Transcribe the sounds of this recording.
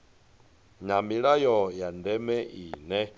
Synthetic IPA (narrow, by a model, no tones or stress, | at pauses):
ɲamiɺajɔjandɛmɛʔiːnɛ